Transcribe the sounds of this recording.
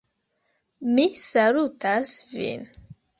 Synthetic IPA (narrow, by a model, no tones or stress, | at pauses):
misalutasvḭn